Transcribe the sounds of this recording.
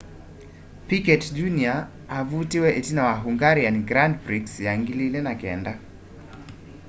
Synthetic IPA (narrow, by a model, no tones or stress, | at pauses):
pikɛtd͡ʒunia | avutiwɛʔitinawaɦuŋɡaɾianiɡɾandbɾiksjaŋɡililɛnakɛ̰nda